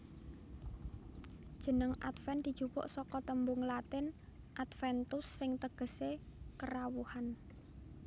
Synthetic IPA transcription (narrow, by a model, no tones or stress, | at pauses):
d̥ʒ̥ə̤nəŋʔa̰t̪fɛnd̪̥i̤d̥ʒ̥upɔ̰ʔsɔkɔt̪əmbʊŋlat̪ɪn | ʔat̪fɛnt̪ʊsːɪŋt̪əɡ̥ə̤sekəɾawuhan